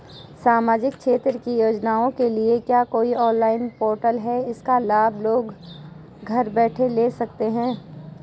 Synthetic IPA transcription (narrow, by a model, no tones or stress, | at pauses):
saːmaːd͡ʒɪk̚kʃeːt̪ɾəkijoːd͡ʒnaːõkeliekjaːkoːiɔːnlaːɪnpoːɾʈəlɦɛɪskalaːbʱloːɡ | ɡʱɐɾbɛːʈʰeleːsɐk̚t̪eɦɛ̃ː